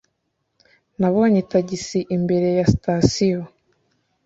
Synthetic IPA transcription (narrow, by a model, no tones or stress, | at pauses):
naβo̞ːɲetaɟisiʔimbe̞ɾe̞jasitasijo